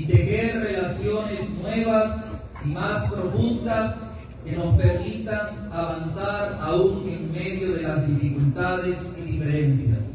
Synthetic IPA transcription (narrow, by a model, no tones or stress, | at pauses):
it̪eɣeɾrelasjoneznweβas | imaspɾoɣunt̪as | kenospeɾmit̪aŋ | aβansaɾauŋeŋmeðjoðelazðifikult̪aðesiðifeɾensja̰s